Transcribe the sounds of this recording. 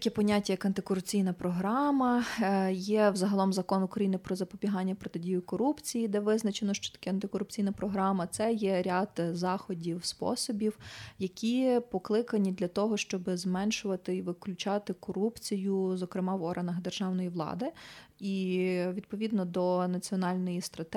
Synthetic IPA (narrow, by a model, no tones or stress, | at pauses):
tɐkʲɛpɔnʲatʲːɐjɐkɐnt̪ɪkɔɾʊpt͡sʲijnɐpɾɔɦɾɑmɐjɛwzɐɦɐlˠɔmzɐkɔnʊkɾɐjinɪpɾɔzɐpɔbʲiɦɑnʲːɐpɾɔt̪ɪdʲijʊkɔɾupt͡sʲijid̪ɛʋɪznɐt͡ʃenɔʃt͡ʃɔ̥t̪ɐ̥kʲɛɐnt̪ɪkɔɾʊp̚t͡sʲijnɐpɾɔɦɾɑmɐt̪sɛjɛɾʲaɑd̪zɑxɔdʲiwspɔ̰sɔbʲiwjɐkʲipɔklˠɪkɐnʲid̪lʲɐt̪ɔɦɔʃt͡ʃɔbɪzmɛnʃʊʋɐt̪ɪiʋɪklʲʉt͡ʃɑt̪ɪkɔɾupt͡sʲijʊzɔkɾɪmɑwɔɾɦɐnɐɣd̪erʒ̥ɑwnɔjiʋlˠɑ̰d̪ɪiʋʲid̪̚pɔʋʲid̪nɔd̪ɔnɐt͡sʲiɔnɑlʲnɔjist̪ɾɐt̪